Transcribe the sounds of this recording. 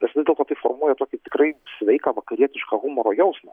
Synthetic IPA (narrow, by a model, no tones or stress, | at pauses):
nʲɛsʋʲɪzd̪ʲeɛlˠt̪oːt̪ɐɪfo̰ːɾmuɔjɛt̪oːkʲɪt̪ʲɪkrɐɪsʲʋʲɛɪkɐʋɐkɐɾʲiɛt̪ʲɪʃkɑɣumɔɾoːjɛʊsmɐ